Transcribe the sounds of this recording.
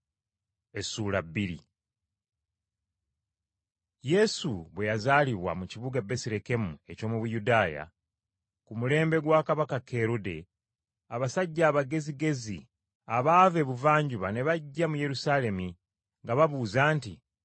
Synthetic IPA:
e̞suːlabiɾḭ | je̞suβwe̞jazaːliβwa̰muciβuɡabe̞siɾeke̞mue̞co̞ːmuβujudaːja̰ | kumule̞ːmbe̞ɡwakaβakakʰe̞ɾude̞̰ | aβasaɟːaːβaɡe̞ziɡe̞zḭ | aβaːve̞ːβuvaːɲɟuβane̞βaɟːamuje̞ɾusaːle̞mi | ŋɡaβaβuːzaːnti

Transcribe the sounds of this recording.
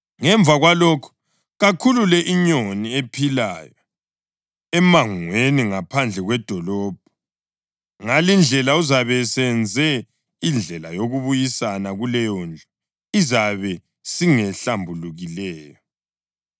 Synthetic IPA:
ŋɛɱbvʱaɣwalɔkʰɔ̥ | ɣakʰululɛʔiɲoniepʰilajɔ | ɛmaŋweniŋapʰand͡ɮʱɛɣwɛd̥ʱɔlɔːb̥̚ʱɔ | ŋalind͡ɮʱɛlauzaβɛsɛnd͡zʱɛ | ind͡ɮʱɛlajoɣuβujisanaɣulɛjɔnd͡ɮʱɔ | izaβɛ | siŋɛɬambʱuluɣilɛːjɔ

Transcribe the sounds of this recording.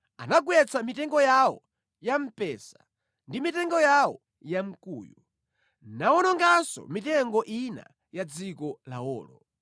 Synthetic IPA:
anaɡwɛt͡sʰamitɛŋɡɔjawɔ | jam̩pɛsḁ | ndimitɛŋɡɔjawɔ | jam̩kṵːjɔ | nawɔnɔŋɡasɔ̰mitɛŋɡɔʔina̰ | jad͡zikɔla̰ɔ̰ːlɔ

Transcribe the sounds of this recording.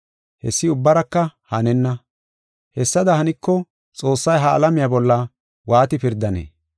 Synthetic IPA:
hɛ̰sːɪʊbːɐɾɐkːɐhɐnɛnːɐ | hɛsːɐd̪ɐhɐnɪkːɔ | t͡sʼo̞ːsːɐjɦɐ̰ːlɐmɪjabɔlːɐ | waːt̪ɪpɪɾd̪ːɐnḛː

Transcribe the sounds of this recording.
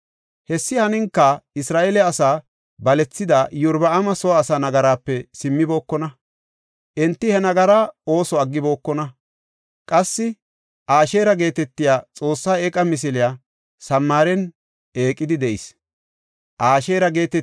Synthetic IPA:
hɛsːɪhɐnɪŋkːɐɪsɾaːʔɛlɛɐsaː | bɐlɛt͡sːɪd̪ɐjʊɾbɐɐmɐsɔːsaːnɐɡɐɾaːpːɛsɪmːɪbo̞ːkːɔnɐ | ʔɛnt̪ːɪhɛnɐɡɐɾaːo̞ːsɔɐɡːɪbo̞ːkːɔnɐ | kʼɐsːɪ | ʔaːʃe̞ːɾɐɡe̞ːt̪ɛt̪ːɪjaːt͡sʼo̞ːsːaːekʼːɐmɪs̬ɪlɪjaː | sɐmːaːɾɛn | eːkʼːɪd̪ɪd̪ɛʔɪ̰s | ʔaːʃeːɾɐɡe̞ːt̪ɛ

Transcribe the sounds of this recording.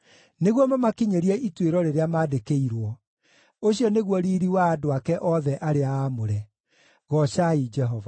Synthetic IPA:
neɣwɔmamakiɲeɾiɛitweɾɔɾeɾeamaːdekeiɾwɔ | oɕiɔneɣwɔɾiːɾiwaːdoakɛʔɔðɛʔaɾeaːmoɾɛ | ɣɔɕaid͡ʒɛɦɔva

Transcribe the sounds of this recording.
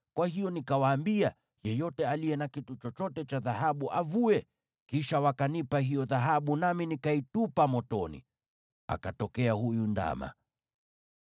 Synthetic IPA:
kwahijɔnikawaːmbia | jɛjɔtɛalijɛnakitut͡ʃɔt͡ʃɔtɛt͡ʃaðaɦaɓuʔavuɛ | kiʃawakanipaɦijɔðaɦaɓunaminikaitupamɔtɔnḭ | a̰katɔkɛahujunda̰ma̰

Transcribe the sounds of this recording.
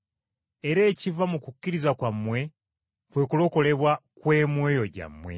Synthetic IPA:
e̞ɾeːcivamukukːiɾizakwamːwe̞ | kwe̞kulo̞ko̞le̞βwakwe̞ːmweːjo̞ɟa̰mːwe̞̰

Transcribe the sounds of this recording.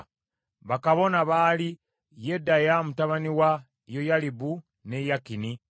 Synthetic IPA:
βakaβo̞naβaːli | je̞dːajamutaβaniwa | jo̞jalibu | ne̞jakini

